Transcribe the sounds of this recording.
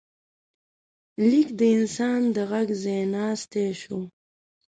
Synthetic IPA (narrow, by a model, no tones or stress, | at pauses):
likd̪əɪnsɑːnd̪əɣaɡzenɑːst̪eʃo